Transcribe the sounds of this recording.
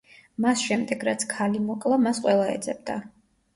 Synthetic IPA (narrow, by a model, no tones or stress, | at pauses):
masʃɛmd̪ɛɡɾat̪sʰkʰalimɔkʼlˠamasqʼwɛlˠaɛ̰d̪zʼɛbd̪a